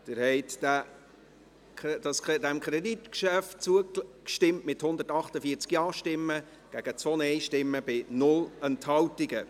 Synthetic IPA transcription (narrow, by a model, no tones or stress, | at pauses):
d̪̥ɪɾhɛɪtdæ | d̥ɑsɛdɛmkʰɾɛditkʃæft̚t͡suəkʃtɪmtmɪthʊnd̪ətɑχtəfiːt͡skjɑːʃtɪmːə | ɡ̥æɡ̥ət͡sʋonɛɪʃtɪmːəb̥ɪnʊlɛnthɑwtɪɡə